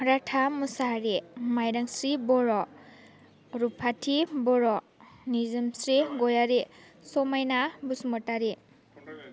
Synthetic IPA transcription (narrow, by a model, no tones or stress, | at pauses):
ɾatʰamusaɾemajɾaŋsɾibɔɾɔ | ɾupʰatʰibɔɾɔ | nizɯmsɾiɡɔjaɾe | sɔmajnabusmɔtaɾe